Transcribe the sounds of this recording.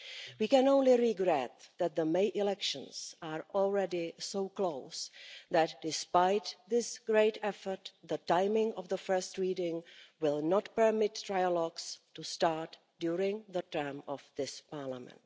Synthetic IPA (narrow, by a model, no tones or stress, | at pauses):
wiːkɛ̃nõʊ̃nlɪɹɪɡɹɛt̪̚ðæt̪̚ðəmeɪʔɪlɛkʃə̰̃nsaɹɔlˠɹɛdɪsoʊkloʊsðætdɪspaɪt̪ðɪsɡ̥ɹeɪtɛfə˞t̪ðətãɪmɪ̃ŋɔvðəfɜ˞stɹiːdɪ̃ŋwɪlˠnɔtpə˞mɪtʰːɹajəlɔɡstustaɹt | d̥juːɹɪ̃ŋðətɜ˞mɔvðɪspaɹlamɛ̰̃nt